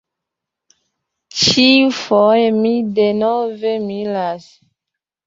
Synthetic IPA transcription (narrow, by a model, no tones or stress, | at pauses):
t͡ʃiufojemidenovemilas